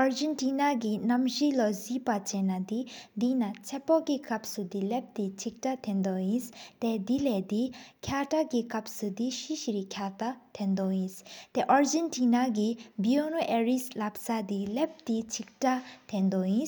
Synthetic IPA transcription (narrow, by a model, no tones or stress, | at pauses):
ʔaɹd͡ʑɛntinaɡinamʑilɔziʔpat͡ɕɛnad̪id̪inat͡sʰɛpɔɡikap̚sud̪ilɛp̚t̪it͡ɕʰik̚tat̪ʰɛnd̪ɔjinst̪ed̪ilɛd̪ikʰaʈ͡ʂaɡikap̚sud̪iɕiɕɾikʰat̪at̪ʰɛnd̪ɔjinst̪eʔaɹd͡ʑɛntinaɡibionoʔɛɹislap̚sad̪ilɛp̚t̪it͡ɕʰik̚ʈ͡ʂat̪ʰend̪ɔjin